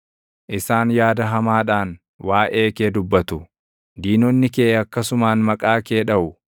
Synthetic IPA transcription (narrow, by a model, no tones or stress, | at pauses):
ʔɪsaːnjaːd̪ɐɦɐmaːᶑaːn | waːʔe̞ːkeːd̪ʊbːɐt̪ʊ | d̪iːnɔnːɪkeːɐkːɐsʊmaːnmɐkʼaːke̞ːᶑɐʔʊ